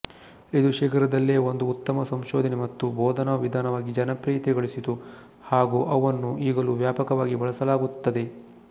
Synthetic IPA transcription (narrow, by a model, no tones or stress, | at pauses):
id̪uʃiːkɐɾɐd̪ɐlːeːond̪uːt̪ːɐmɐsɐmʃoːd̪ʱɐnemɐt̪ːubʱoːd̪ʱɐnɐʋid̪ʱaːnɐʋaːɡid͡ʒɐnɐpɾiːt̪iɡɐɭisit̪u | haːɡuːʔɐʋɐnːuiːɡɐluʋjaːpɐkɐʋaːɡibɐɭɐsɐlaːɡut̪ːɐd̪e̞